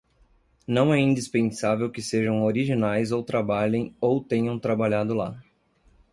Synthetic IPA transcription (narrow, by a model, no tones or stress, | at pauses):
nɐ̃w̃ɛĩd͡ʒ̪ispẽsavewkɪseʒɐ̃w̃oɾiʒinajzowt̪ɾabaʎẽj̃owt̪ẽɲɐ̃w̃t̪ɾabaʎad̪ʊla